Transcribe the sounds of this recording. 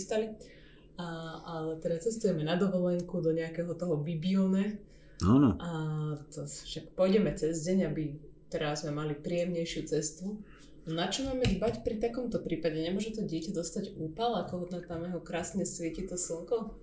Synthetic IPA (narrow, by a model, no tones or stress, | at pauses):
st̪ali | aalɛt̪ɛd̪at͡sɛst̪ujɛmɛnad̪ɔʋɔlɛŋkud̪ɔɲɛakɛɦɔt̪ɔɦɔbibiɔnɛ | anʔat̪ɔfʃakpɔjɟɛmɛt͡sɛzɟɛɲabit̪ɛɾazmɛmalipɾiːjɛmɲɛjʃɪut͡sɛst̪u | nat͡ʃɔmaːmɛʒbacpɾit̪akɔmt̪ɔpɾiːpaɟɛɲɛmʊɔʒɛt̪ɔɟɪɛcad̪ɔst̪aɟuːpalakɔɦɔt̪nat̪amjɛɦɔkɾaːsɲɛsʋɪɛcit̪ɔsl̩ŋkɔ